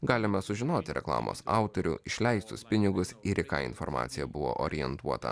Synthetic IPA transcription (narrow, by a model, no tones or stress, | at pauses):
ɡɑːlʲɪmɐsʊʒʲɪnoːt̪ʲɪɾʲɛklˠɑ̰ːmʔo̰ːsɑˑʊt̪oɾʲʊ̰ɪʃʲlʲɛɪst̪ʊspʲɪnʲɪɡʊsɪɾʲɪkɑ̰ːɪ̰nfɔɾmɑ̰ːt̪sʲɪjɛbʊʋo̰ːʔo̰ːɾʲɪjɛnt̪uɔt̪ɐ̰